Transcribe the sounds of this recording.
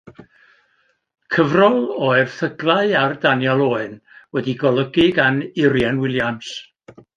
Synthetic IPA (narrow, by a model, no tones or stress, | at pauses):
kʰəvrɔlˠoɨrθəɡlˠaɨardanjɛlˠoːɨnwɛdiɡɔlˠəɡɪɡanɪɾjɛnwɪlˠjams